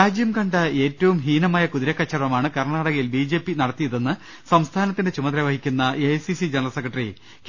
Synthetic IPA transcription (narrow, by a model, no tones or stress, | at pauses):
aːd͡ʑjɐmkɐɳɖɐe̞ːtːɐʋumɦiːnɐmaːjɐkuðiɾɐkːɐt͡ɕːɐrʋɐmaːɳɨkɐrɳaːɽɐɣɐjilbiːd͡ʑe̞ːpːinɐɽɐt̪ːijɐðe̞nːɨ | sɐmst̪ʰaːnɐt̪ːinde̞t͡ɕumɐd̪ɾɐʋɐɦikʲːunːɐesisid͡ʑenɐrɐsekːrɐʈːri | k